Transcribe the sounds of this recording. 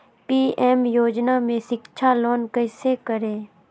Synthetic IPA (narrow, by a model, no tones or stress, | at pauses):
piːɛːmjoːd͡ʒnamẽʃɪkt͡ʃʰaloːnkəɪsekəɾẽː